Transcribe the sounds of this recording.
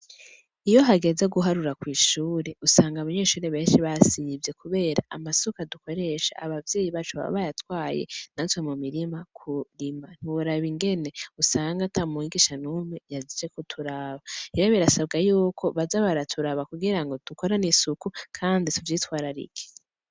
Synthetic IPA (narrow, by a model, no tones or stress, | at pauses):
ijo̞ɦaɡe̞zeɡuɦaɾuɾakwiːʃuːɾe̞usaːŋɡaβaɲe̞ːʃuːɾeβe̞ːnʃiβasivje̞kuβe̞ːɾa̰ʔamasokaduko̞ɾe̞ʃa̰ːβavje̞ːjiβat͡ʃuβa̰β̰βajatwaːjḛnatwemumiɾimakʰuɾiman̥iwuɾaβiŋɡe̞ne̞usaːŋɡatʰamuiɡiʃanumŋe̞jazid͡ʒe̞kutʰuɾaːβaiɾaβiɾasab̚ɡajuːkʰo̞βazaβaɾatʰuɾaβakuɡiɾaŋɡo̞d̥uko̞ɾanisukukʰaːndituvjiːtwaːɾaɾḭɡe̥